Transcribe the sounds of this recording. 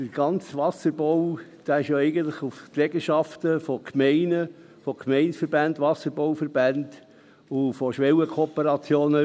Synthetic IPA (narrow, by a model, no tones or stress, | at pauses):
d̥əɾɡ̥ɑnt͡sʋɑsəɾb̥owd̪̥æːɪʃjoɛɪɡən̩t̪lɪχufklɛɡəʃɑft̪əfɔkʰmɛɪnə | fɔkʰmɛɪnsfəɾbændʋɑsəɾbowfəɾb̥ænd̪ | ʊfɔʃʋɛwəkʰoɔːpəɾɑt͡sjoːnə